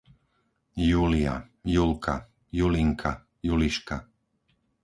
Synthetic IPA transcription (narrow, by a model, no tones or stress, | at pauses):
juːlia̰julkʰa̰ | juliŋkʰa | juliʃka̰